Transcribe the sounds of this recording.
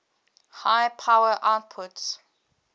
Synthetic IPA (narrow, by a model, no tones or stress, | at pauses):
hajpʰawəʔat̚pʰʊts